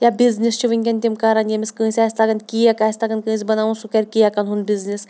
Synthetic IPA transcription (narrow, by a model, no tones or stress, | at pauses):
jabʲiznist͡ʃʰiʋɨnʲkʲɐnʲt̪ʲimkaɾanjɐmisʲkə̃ːsʲasʲt̪aɡɐnkʲijakaːsʲt̪aɡɐnʲkɨ̃ːsʲibɐnaʋunsukɐɾʲkijakɐnɦunbʲiznis